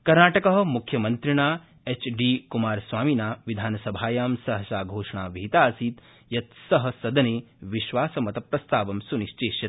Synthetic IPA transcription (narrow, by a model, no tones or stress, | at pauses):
kɐɾnaːʈɐkɐɦɐ̆mukʰjɐmɐnt̪ɾiɳaː | et͡ʃɖiːkumaːɾsʋaːminaːʋid̪ʱaːnɐsɐbʱaːjaːmsɐɦɐʃaːɡʱoːʂɐɳaːʋiɦit̪aːsiːt̪ | jɐt̪sɐɦɐ̆sɐd̪ɐneːʋiʃʋaːsɐmɐt̪ɐpɾɐst̪aːʋɐmsuniʃt͡ʃeːʃjɐt̪